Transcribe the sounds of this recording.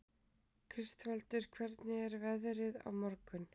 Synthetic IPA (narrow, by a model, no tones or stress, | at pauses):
kʰɾɪst̪vɛlt̪ʏɾ̥kʰvɛɾt̪nɪɛɾvɛðɾɪða̰wmɔɾkʏn